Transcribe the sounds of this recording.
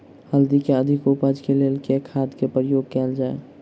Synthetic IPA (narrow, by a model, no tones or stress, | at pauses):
həld̪ikeəd̪ʱɪkupəd͡ʒkelelkekʰaːd̪kepɾəjoːɡ̚kɛːld͡ʒaːḛ